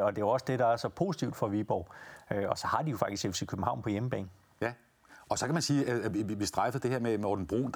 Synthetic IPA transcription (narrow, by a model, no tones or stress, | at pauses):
ɒ̽d̥e̝oɒ̽səd̥e̝d̥ɑ̈æɐsɒ̽pʰo̝ːsi̥t͡sʰiʊd̥fɒ̽ʋib̥ɒ̰ʊ̰øɒ̽sɒ̽hɑ̈d̥ijo̝fɑ̈ɡ̥d̥isɡ̥esʰikʰøb̥m̩hɑ̈ʊnpʰɒ̽jeməb̥ɛ̰ːn̩ | jæ | ɒ̽sɒ̽kʰæmænsiːæiiʋisd̥ʁafɐd̥e̝heɐ̰memɒːd̥n̩b̥ʁo̰ːnd̥